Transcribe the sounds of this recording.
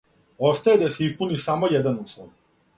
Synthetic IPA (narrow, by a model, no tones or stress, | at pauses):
ost̪ajed̪aseispunisamojɛd̪anuslˠonu